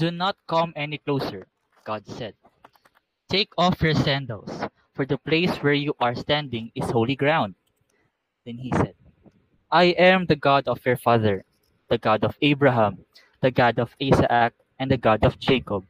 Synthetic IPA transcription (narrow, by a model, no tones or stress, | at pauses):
d̪unɔt̪̚kʌ̃mɛniklowsɛɹ | ɡ̥ad̪̚sɛd̪̚ | t̪ʰeɪkʰɔfjɔɹsæ̃nd̪əls | fɔɹd̪ɐpleɪswɛɹjuʔaɹst̪æ̃nd̪ɪ̃ŋɪsholiɡɹãw̃nd̪̚ | d̪ɛ̃nhisɛd̪̚ | ʔajʔɛ̃md̪ɐɡad̪ɔfjɔɹfaðɛɹ | d̪̥ɐɡad̪ɔvebɹaɦãm | d̪ɐɡad̪ɔvisa̰ʔak̚ʔɛ̃nd̪ɐɡad̪ɔfd͡ʒekɔb̚